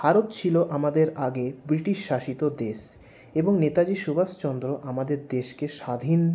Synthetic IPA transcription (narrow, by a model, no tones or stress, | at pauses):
bʱaɾot̪t͡ɕʰiloʔamad̪eɾaɡebɾiʈiʃːaʃit̪od̪eʃ | eboŋnet̪ad͡ʑiʃubast͡ɕɔnd̪ɾoʔamad̪eɾd̪eʃkeʃad̪ʱin